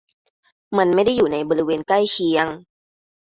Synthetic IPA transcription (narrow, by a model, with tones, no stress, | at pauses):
ma˧nma˥˩jda˥˩jːuː˨˩na˧jbɔː˧ɾi˦˥weː˧nkla˥˩jkʰi˧əŋ